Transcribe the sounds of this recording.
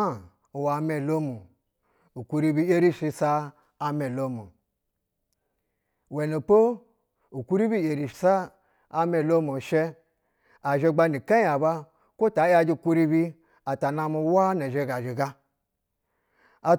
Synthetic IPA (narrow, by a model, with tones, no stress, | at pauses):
a˦˨ | u˨wa˨me˨lo˦mu˨ | u˨ku˦ɾi˧bi˦e˦ɾi˦ʃi˧saː˧ | me˨lo˦mu˨ | we˨no˨po˦ | u˨ku˦ɾi˦bi˦e˨ɾi˨sa˦ | a˦me˨lo˦mo˨ʃe˦ | a˨ʒe˧ɡ͡ba˧ni˨ka˦a˨ba˦ | ko˦ta˨˦ja˧d͡ʒi˧˨ku˦ɾi˦bi˦ | a˨ta˨na˧mu˧˦wa˦ne˨ʒe˧˦ɡa˨d͡ʒi˨ɡa˦ | a˨